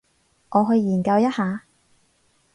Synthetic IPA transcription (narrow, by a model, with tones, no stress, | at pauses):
ʔɔː˨˧ɦɵ˧ɥjiː˨˩nkɐ˧wjɐ˥t̚haː˨˧